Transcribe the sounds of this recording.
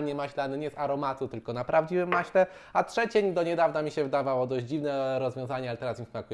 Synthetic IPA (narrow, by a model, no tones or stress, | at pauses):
ɲɛmaɕlanɘɲɛsaɾɔmat̪ut̪ɘlkɔnapɾavd͡ʑivɘmːaɕlɛ | atʂɛt͡ɕeɲd̪ɔɲɛd̪avnamʲiɕɛvɘd̪avawɔd̪ɔʑʲd͡ʑd͡ʑivnɛɾɔzvʲjɔ̃zaɲɛalɛt̪ɛɾasmimsmakujɛ